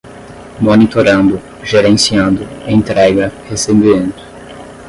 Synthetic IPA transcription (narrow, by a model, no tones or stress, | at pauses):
monit̪oɾɐ̃nd̪ʊ | ʒeɾẽsiɐ̃nd̪ʊẽt̪ɾɛɡɐhesẽbiẽnt̪ʊ̥